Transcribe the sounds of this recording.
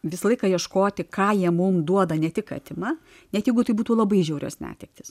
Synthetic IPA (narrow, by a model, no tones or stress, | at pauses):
ʋʲɪsɐlˠɐɪkɐjiɛʃkoːt̪ʲɪkɑːjiɛmʊmd̪uɔd̪ɐnʲɛt̪ʲɪkɐ̰t̪ʲɪmɑ | nʲɛt̪jɛɪɡʊt̪ɐɪbuːt̪uːlˠɐbɐɪʒʲɛʊɾʲo̰ːsnʲæ̰ːt̪ʲɛk̚t̪ʲɪs